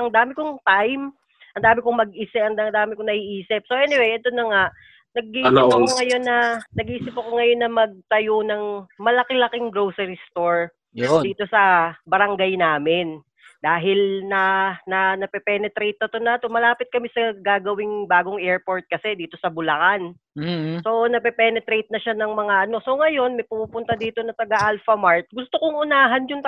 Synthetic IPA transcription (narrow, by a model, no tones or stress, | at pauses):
ɐŋd̪aːmɪkoŋt̪ajm | ʔɐnd̪aːmɪkoŋmɐɡ̚ʔiːsɪɐnd̪aŋd̪aːmɪkonɐʔiʔiːsɪp̚soʔɛnɪwɛjʔɐd̪onːɐŋaʔ | nɐɡ̚iːkoŋɐjo̞nːɐnɐɡiːsɪpɐkoŋɐjo̞nːɐmɐɡ̚t̪ɐjonɐŋmɐlɐkɪlɐkɪŋɡɾowsɐɾist̪oɹ | dd̪iːt̪o̞sɐbɐɾɐŋɡajnaːmɪn | d̪aːɦɪlnɐnɐnɐpɛpɛnɛt̪ɾejt̪̚nɐt̪onɐɐt̪omɐlaːpɪt̪̚kɐmɪsɐɡaːɡɐwɪŋbaːɡoŋʔɛɹpo̞ɹt̪̚kɐsɛd̪iːt̪o̞sɐbʊlɐkan | so̞nɐpɛpɛnɛt̪ɾejt̪̚nɐʃanɐŋmɐŋaʔɐno̞so̞ŋɐjo̞nmɐjpumuːpʊnt̪ad̪iːt̪o̞nɐt̪ɐɡaʔalfɐmaɹt̪̚ɡʊst̪okoŋʔʊnaːɦɐnjʊŋt̪